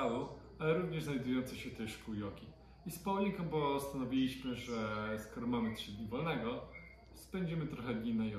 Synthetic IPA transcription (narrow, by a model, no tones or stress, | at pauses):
awu | alɛɾuvɲɛʐznajd̪ujɔnt̪sɛɕɛt̪ɛʂkujɔkʲi | ispɔwliŋkɔmpɔst̪anɔvʲilʲiɕmɘʐɛskɔɾɔmamɘt̪ʂɘd̪ɲivɔlnɛɡɔ | spɛɲd͡ʑɛmɘt̪ɾɔxɛd̪ɲinajɔ